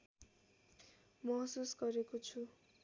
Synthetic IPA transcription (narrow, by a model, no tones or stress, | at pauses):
mʌɦsusɡʌɾekot͡sʰu